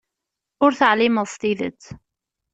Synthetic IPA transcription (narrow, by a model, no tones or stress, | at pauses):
ʊɾθaʕliməðˤst̪iðə̰t͡sː